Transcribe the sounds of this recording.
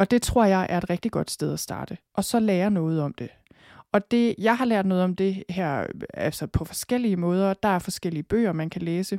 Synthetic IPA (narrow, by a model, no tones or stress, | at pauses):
ʔɒ̽d̥e̝t͡sʰʁo̝ɐ̰jɑ̈ɪʔæɐe̝d̥ʁɛɡ̥̚d̥iɡ̥ɒ̽d̥sd̥eð̞ˠæsd̥ɑ̈ːd̥əʔɒ̽sɒ̽leːɐnɔ̽ːð̩ˠɒ̽md̥e̝ | ʔɒ̽d̥e̝jɑ̈ɪɦɑ̈læɐ̰d̥nɔ̽ːð̞̩ˠɒ̽md̥e̝hæɐ̰ælsɒpʰɒ̽fɒ̽sɡ̥el̰iəmɔ̽ːð̞ˠɐd̥ɑ̈æɐfɒ̽sɡ̥el̰iəb̥ø̰ːɐmænkʰæleːsə